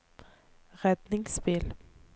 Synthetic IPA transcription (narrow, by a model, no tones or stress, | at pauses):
ʁɛd̪nɪŋspɪl